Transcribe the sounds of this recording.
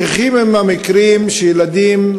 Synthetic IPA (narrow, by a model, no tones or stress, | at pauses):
eχimemamikɾimʃejelad̪im